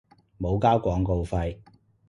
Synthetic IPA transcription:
mo˨˧wkaː˥wkʷɔː˨˥ŋko˧wfɐ˧j

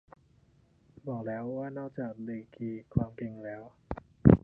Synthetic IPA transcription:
bɔː˨˩k̚lɛː˦˥wːaː˥˩nɔː˥˩k̚t͡ɕaː˨˩k̚leː˧˩kʰiː˧kʰwaː˧mpʰe˧ŋlɛː˦˥w

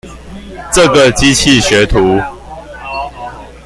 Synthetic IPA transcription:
ʈ͡ʂɤ˥˨ɡə˨t͡ɕi˦t͡ɕʰi˥˨ɕɥɛ˨˦t̪ʰu˨˦

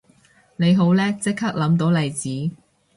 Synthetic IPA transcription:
ne˨˧jɦo˨˥wlɛː˥t͡sɪ˥k̚hʰaː˥k̚lɐ˨˥mt̪o˨˧˥wlɐ˨jt͡siː˨˥

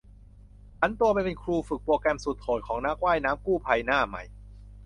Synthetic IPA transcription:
t͡ɕʰa˦˥nt̪u˧ɐp̬a˧jpe˧nkʰɾuː˧fɯ˨˩k̚poː˧kɛ˧msu˨˩t̪̚kʰoː˨˩t̪̚kʰɔː˩˦ŋnaː˦˥k̚waː˥˩jnaː˦˥mkuː˥˩pʰaː˧jnaː˥˩ma̰˧˩j

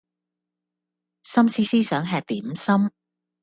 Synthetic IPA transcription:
sɐ˥msiː˥siː˥sœː˨˥ŋɦɛː˨˧k̚t̪iː˨˥msɐ˥m

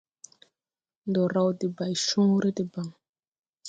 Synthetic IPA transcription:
ndɔ˨ɾa˨u˨di˨ba˨i˨ʃu˦ŋu˦ɾi˦di˨ba˨ŋ

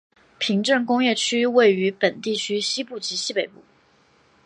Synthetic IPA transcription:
pʰi˧˥ŋʈ͡ʂɤ˥˩ŋkʊ˥ŋjɛ˥˩t͡ɕʰy˥we˥˩ɪy˧˥pə˨˩nt̪i˥˩t͡ɕʰy˥ɕi˥pu˥˩t͡ɕi˧˥ɕi˥pe˨˩ɪpu˥˩

